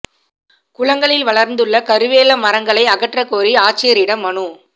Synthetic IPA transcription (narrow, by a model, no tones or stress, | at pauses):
kʊɭɐŋɡɐɭɪlʋɐɭɐɾnd̪ɯɭːɐkɐɾɯʋeːlɐmɐɾɐŋɡɐɭɐɪɐɣɐʈrɐkːoːɾiaːʈ̚t͡ʃːɪjɐɾɪɽɐmːɐɳu